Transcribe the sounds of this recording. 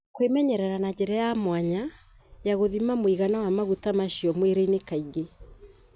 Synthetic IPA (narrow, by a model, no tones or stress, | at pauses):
kwemɛɲɛɾɛɾanad͡ʒɛɾajamwaɲa | jaɣoðimamoiɣanawamaɣutamaɕijɔmweɾeinekaiɡe